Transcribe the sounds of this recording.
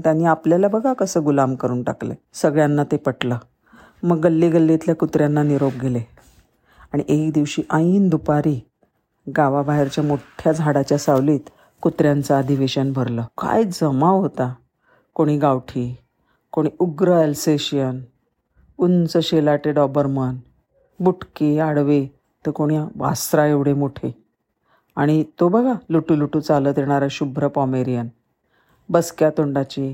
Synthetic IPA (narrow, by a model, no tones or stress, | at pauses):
t̪janːiapljalabəɡʱakəsəːɡulamkəɾuːnʈa̰klḛsəɡɭjanːat̪epəʈləː | məɡːəlːiɡəlːet̪ljakut̪ɾjanːaniɾob̚ɡʱele | aɽ̃iʔekd̪iʋɕiːʔaind̪upaɾiː | ɡaʋabaɦeɾt͡ɕjamoʈʰjad͡zʱaɽat͡ɕjasawliːt̪ | kut̪ɾjant͡saːd̪ʱiʋeɕənbʱəɾləːka̰jd͡zəmaɦot̪a | koɽ̃iːɡawʈʰi | koɽ̃iuɡɾəɛlseɕijən | unt͡səɕelaʈeɖɔbəɾmən | buʈkeaɽʋe | t̪əkoɽ̃jaʋa̰sɾaeʋɽ̤emoʈʰe | aɽ̃it̪obəɡʱaluʈuluʈut͡saləːt̪jeɽ̃aɾəɕubʱɾəpɔmeɾijən | bəskjat̪oɳɖat͡ɕe